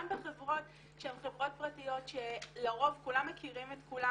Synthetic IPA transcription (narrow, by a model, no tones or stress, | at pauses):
ambeχevʁo̞t | ʃemχevʁo̞t̚pʁatijo̞tʃelaʁo̞vkulamːekiʁimetkula